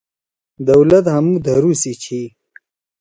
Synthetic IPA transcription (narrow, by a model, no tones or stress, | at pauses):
d̪ɐwlɐt̪ɦamud̪aɾusit͡ɕʰi